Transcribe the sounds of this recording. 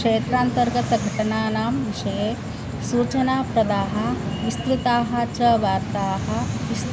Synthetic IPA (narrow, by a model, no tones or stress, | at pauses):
ʂeːt̪ɾaːnt̪ɐɾɡɐt̪ɡʱɐʈɐnaːnaːmʋiʃɐje | suːt͡ʃɐnaːpɾɐd̪aːɦɐ̆ʋist̪ɾɪt̪aːɦɐ̆t͡ʃɐʋaːɾt̪aːɦɐ̆ʋis